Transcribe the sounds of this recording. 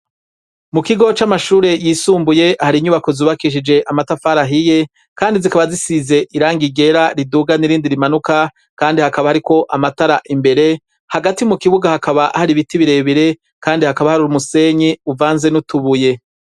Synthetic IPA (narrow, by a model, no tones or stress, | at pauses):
mukiɡo̞t͡ʃamaʃuːɾe̞jiːsuːmbuje̞haɾiɲuβako̞zuːβakiʃ̬id͡ʒe̞ʔamatafaɾaɦije̞ | kaːndizikaβazisize̞ʔiɾaːŋɡiɡe̞ɾaɾiduɡaniɾiːndiɾimanuka | kaːndihakaβahaɾiko̞ʔamataɾaʔimbe̞ɾe̞ | haɡatimukiβuɡahakaβaʔhaɾiβitiβiɾe̞βiɾe̞ | kaːndihakaβahaɾuɾumuse̞ɲiuvaːnze̞nutuβuje̞